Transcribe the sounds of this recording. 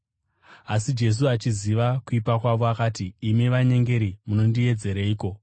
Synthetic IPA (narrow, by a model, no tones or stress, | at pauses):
asid͡ʒe̞s̬uat͡ʃiziʋakuipakwaʋo̞akaːtiːmiʋaɲe̞ŋɡe̞ɾimuno̞ndie̞d͡ze̞ɾeiːko̞